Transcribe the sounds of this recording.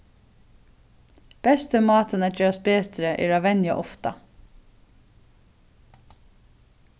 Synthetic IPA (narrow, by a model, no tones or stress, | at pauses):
b̥ɛst̪əmɑːt̪ənæjøːɾɑsbeːt̪ɾəʔḛːɹɑːʋɛnjɑ̰ʔɔft̪ɑ